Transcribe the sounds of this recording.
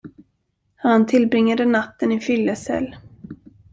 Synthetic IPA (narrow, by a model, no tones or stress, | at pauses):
hant̪ʰɪlbɾɪŋːad̪ənat̪ːənɪfʏlːəsɛ̰lː